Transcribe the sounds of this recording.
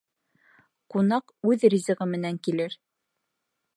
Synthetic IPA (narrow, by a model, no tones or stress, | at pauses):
qunɑqʉðɾizɤ̆ʁɤmɘ̆næŋkilɘɾ